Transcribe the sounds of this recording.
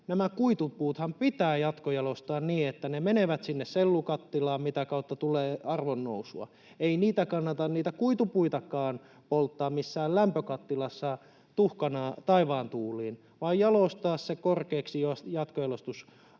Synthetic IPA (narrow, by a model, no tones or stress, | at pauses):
næmækuit̪upuːt̪hɑmpit̪æːjɑt̪kojɑlost̪ɑːnniːet̪ːænemeneʋæt̪sinːesselːukɑt̪ːilɑːmmit̪ækɑut̪ːɑt̪uleːɑrʋonːo̰usuɑ̰ | einiːt̪ækɑnːɑt̪ɑnniːt̪ækuit̪upuit̪ɑkɑːn | polt̪ːɑːmmisːæːllæmpøkɑt̪ːilɑsːɑ | t̪uhkɑnɑːt̪ɑiʋɑːnt̪uːlˑiːn | ʋɑːjjɑlost̪ɑːssekorkeːksijosjɑt̪kojɑlost̪us